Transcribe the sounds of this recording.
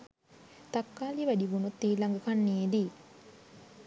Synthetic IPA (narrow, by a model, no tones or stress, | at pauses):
t̪akːaːliʋædiʋunut̪ːiːlaŋɡəkanːied̪iː